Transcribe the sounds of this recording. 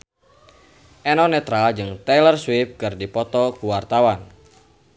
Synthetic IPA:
ʔɛnɔnɛt̪ɾald͡ʒɨŋt̪ɛlərswip̚kɨrdipɔt̪ɔkuwart̪awan

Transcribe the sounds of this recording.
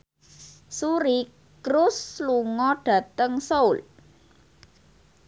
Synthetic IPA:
suɾi | kɾʊsluŋɔɖ̥ä̤t̪əŋsoʊl

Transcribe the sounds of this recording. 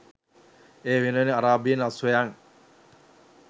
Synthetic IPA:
eːʋinuʋeneaɾaːbienasʋejaŋ

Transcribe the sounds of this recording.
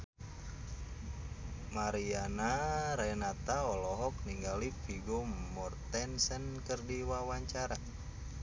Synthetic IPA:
maɾianaɾɛnat̪aɔlɔɦɔk̚niŋɡalifiɡomɔrt̪ɛnsɛnkərdiwawaɲt͡ʃaɾa

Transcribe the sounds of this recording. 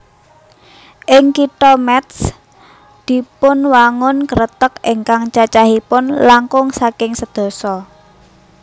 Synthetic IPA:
ʔɪŋkiʈɔmɛt̪s | d̪̥i̤pʊnwaŋʊnkəɾət̪ək̚ɪŋkaŋt͡ʃat͡ʃaɦipʊnlaŋkʊŋsakɪŋsəd̪̥ɔ̤sɔ

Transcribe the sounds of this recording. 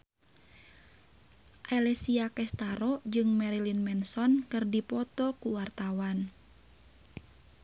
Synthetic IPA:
ʔalɛsiakɛst̪aɾɔd͡ʒɨŋmɛɾilinmɛnsɔnkɨrdipɔt̪ɔkuwart̪awan

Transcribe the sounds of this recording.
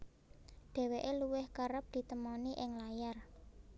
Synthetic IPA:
ɖ̪̥ɛ̤weʔeluwɪhkəɾəp̚d̪̥i̤t̪əmɔniʔɪŋlajar

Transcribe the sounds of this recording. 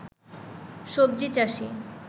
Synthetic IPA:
ʃob̚d͡ʑit͡ɕaʃi

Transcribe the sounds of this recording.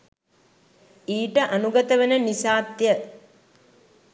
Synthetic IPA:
iːʈəʔanuɡɐt̪əʋenənisaːt̪jə

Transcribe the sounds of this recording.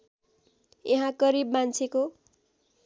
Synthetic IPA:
eɦãɡʌɾibmant͡sʰeko

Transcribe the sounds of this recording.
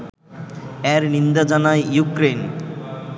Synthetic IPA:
ɛɾnind̪ad͡ʑanajjukɾen

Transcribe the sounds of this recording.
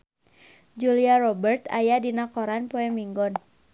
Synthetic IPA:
d͡ʒuliaɾɔbərt̪a̰jadinakɔɾanpoɛmiŋɡɔn

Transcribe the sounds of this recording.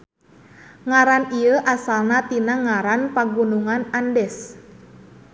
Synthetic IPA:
ŋaɾaniəʔasalnat̪inaŋaɾanpaɡunuŋanandɛs

